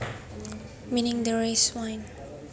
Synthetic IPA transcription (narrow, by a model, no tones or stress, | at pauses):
mĩnɪ̃ŋd̪əɹeswãjn